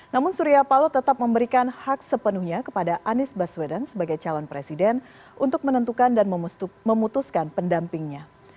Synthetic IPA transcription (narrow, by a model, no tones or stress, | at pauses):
namʊnsuɾiapalot̪ət̪ap̚məmbəɾikanhak̚səpənuhɲakəpadaʔanɪsbaswɛdənsəbaɡajt͡ʃalɔnpɾesidɛn | ʔunt̪ʊk̚mənənt̪ukandanmməmut̪uskanpəndampɪŋɲa